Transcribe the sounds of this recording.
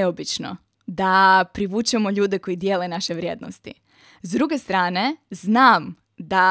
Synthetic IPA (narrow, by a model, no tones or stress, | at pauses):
obit͡ʃno̞̰ | d̪apɾiʋuːt͡ʃɛmo̞ʎuːd̪e̞ko̞jid̪jeːlenaʃe̞ʋɾjḛːd̪no̰st̪ḭ | zd̪ɾuɡe̞st̪ɾaːne̞znaːm | d̪a